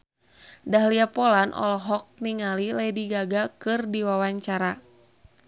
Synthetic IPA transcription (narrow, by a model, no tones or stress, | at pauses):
daɦliapɔlanʔɔ̰lɔɦɔk̚niŋalilajdiɡaɡakɨrdiwawaɲt͡ʃaɾa